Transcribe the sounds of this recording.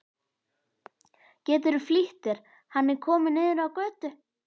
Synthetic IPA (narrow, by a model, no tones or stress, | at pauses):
cɛːt̪̬ɪɾʏfliht̪ɪɾ̥ | hanːɛɾ̥kʰɔːmɪnɪːðɪɾawkœːt̪ʏ